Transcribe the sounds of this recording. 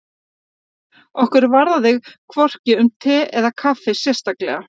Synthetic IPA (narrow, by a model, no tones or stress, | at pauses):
ɔhkʏɾvaɾðaðɪɣkʰvɔr̥cɪʏmt̪ʰɛːʔɛðakʰafɪsjɛ̥st̪aklɛ̰ɣa